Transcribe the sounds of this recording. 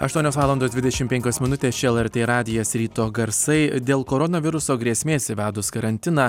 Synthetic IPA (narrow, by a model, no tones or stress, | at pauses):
ɐ̰ʃt̪uɔnʲoːsʋɑːlˠɐnd̪oːsd̪ʲʋʲɪd̪ʲɛʃʲɪmpʲɛŋʲkʲoːsmʲɪnʊt̪ʲeːst͡ʃʲɛɛlˠɛɾt̪ʲeːɾɑːd̪ʲɪjɛsɾʲiːt̪oːɡɐɾssɐɪd̪ʲeːlˠkoːɾonɐʋʲɪɾʊsoːɡɾʲiɛsʲmʲeːsʲɪʋʲæːd̪ʊskɐɾɐnʲt̪ʲɪnɑː